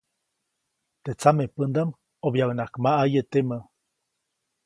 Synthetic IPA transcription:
t̪et͡samepənd̪am | objaənakmaʔajet̪emə

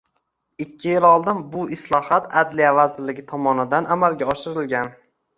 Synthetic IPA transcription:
ɪkʲʰːɪjɪlɒlˠd̪ɪnbʊɪslˠɒhat̪ad̪lijavazɪɾlɪɡʲɪt̪ʰɒmɒnɪd̪anʔamalˠɡʲaɒʃɪɾɪlɡʲan

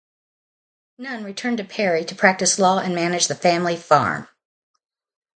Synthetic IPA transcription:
nʌ̃nɹitʰɜ̃˞ntɨpʰɛɹiɾɨpʰɹ̥æk̚tɨslɔɨ̃nmænɨd͡ʒðɨfæ̃mlifɑ̰ɹm

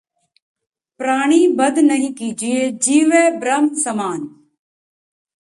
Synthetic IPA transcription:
pɾaːɳ̃iːbəd̪nəɦĩːkiːd͡ʒieːd͡ʒiːʋeːbɾəmsəmaːn

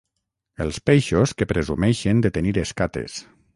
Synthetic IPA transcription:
əlˠspejʃoskəpɾezṵmɛʃend̪ət̪eniɾeskat̪ḛs

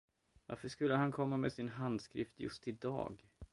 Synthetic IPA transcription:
va̰ɾfəʂkɵlːəɦankʰɔmːamḛsɪnɦand̪skɾɪft̪jɵ̰st̪ɪd̪ɑ̰ːɡ

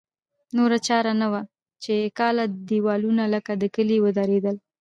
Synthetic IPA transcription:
noɾat͡ʃɑɾanawa | t͡ʃekɑlad̪iwɑlunaləkad̪əkəliwəd̪aɾed̪əl

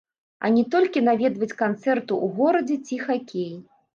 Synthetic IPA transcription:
ɐ̰nʲɛt̪ɔlʲkʲinavʲɛd̪vɐt͡sʲkant̪sɛrt̪uʔuɣɔɾɐd͡zʲɛt͡sʲixakʲeji

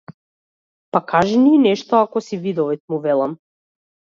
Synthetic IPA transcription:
pakaʒɛniːnɛʃt̪ɔakɔsivid̪ɔvit̪̚muvɛlˠam

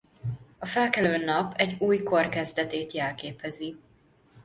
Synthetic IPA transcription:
ɒfɛlkɛløːnɒpɛɟːuːjko̞rkɛzd̪ɛt̪eːt̪jɛlkeːpɛzi

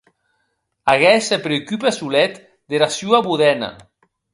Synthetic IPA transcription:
aɣɛsepɾeokypesulɛt̪ | d̪eɾasjuaβuðɛnɐ̰

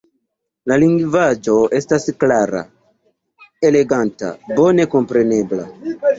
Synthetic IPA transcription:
laliŋɡvad͡ʒo̞e̞stasklaɾa̰ | e̞le̞ɡanta̰bo̞ne̞ko̞mpɾe̞ne̞bla̰

